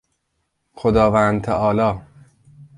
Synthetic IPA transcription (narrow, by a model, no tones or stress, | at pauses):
xod̪ɒːvæːnd̪̚t̪ʰæʔɒːlɒː